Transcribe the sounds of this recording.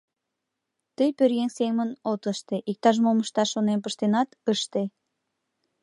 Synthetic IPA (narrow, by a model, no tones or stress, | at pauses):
t̪əjpøɾjeŋseŋmənot̪əʃt̪eʔik̚t̪ɑʒ̬moməʃt̪ɑʃonenp̬əʃt̪enɑt̪əʃt̪e